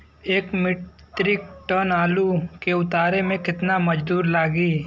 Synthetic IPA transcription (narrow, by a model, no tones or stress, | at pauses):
eːkmɪt̪ɾɪk̚ʈɔːnaːlukeʊt̪aːɾemẽkɪt̪namɐd͡ʒd̪uːɾlaːɡiː